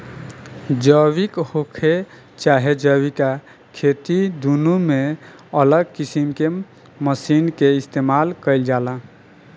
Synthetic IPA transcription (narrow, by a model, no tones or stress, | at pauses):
d͡ʒəwikhokʰe | t͡ʃaɦed͡ʒəwika | kʰet̪id̪unume | ələɡkisimke | məsinkeist̪emalkəɪld͡ʒalə̃